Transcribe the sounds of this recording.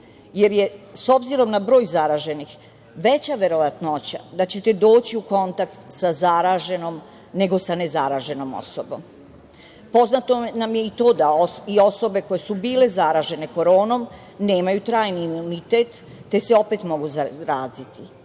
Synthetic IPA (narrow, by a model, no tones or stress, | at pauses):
je̞ɾje̞so̞bziɾo̞mnabɾo̞ːjzaɾaʒe̞nix | ʋe̞t͡ɕaʋe̞ɾoʋat̪not͡ɕa̰d̪at͡ɕe̞t̪e̞d̪o̞ːt͡ɕiuko̞nt̪akt̪sazaɾaːʒenom | ne̞ɡo̞sanezaɾaʒe̞no̞mo̰sobo̰m | po̞znat̪onamje̞it̪o̞ːd̪aoio̞so̞beko̞jesubiːle̞zaɾaːʒe̞ne̞ko̞ɾo̞ːnom | ne̞ːmajut̪ɾaːjniːmunit̪et̪ː | e̞seo̞pet̪mo̞ɡuzaɾaːzit̪i